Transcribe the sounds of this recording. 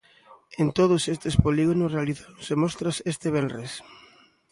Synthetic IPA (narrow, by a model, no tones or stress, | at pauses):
ent̪oð̞ʊsest̪espoliɣonʊsrealiθasemɔst̪ɾasest̪ɪβɛlres